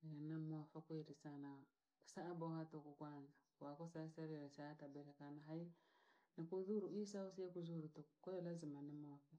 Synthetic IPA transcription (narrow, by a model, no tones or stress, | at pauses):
anamafakweɾisana | saːbɔhatokukwanzakwakɔsasaɾiɾesatabɛɾekanaɦainikuðuɾuisausiekuzuɾutokɔjɔlazimanimofa